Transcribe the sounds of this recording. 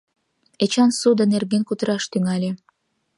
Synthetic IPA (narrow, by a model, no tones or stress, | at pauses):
et͡ɕɑnsud̪ə̆nerɣenkut̪əɾɑʃt̪yŋɑlʲe